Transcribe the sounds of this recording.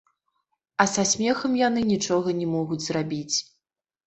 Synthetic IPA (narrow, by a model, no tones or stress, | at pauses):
ɐsasʲmʲɛxɐmjanɨnʲit͡ʂɔɣɐnʲɛmɔɣud͡zʲzrabʲit͡sʲ